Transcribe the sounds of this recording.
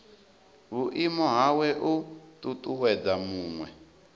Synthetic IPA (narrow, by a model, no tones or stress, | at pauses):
βuʔimɔɦawɛʔututʼuwɛdamuːŋwɛ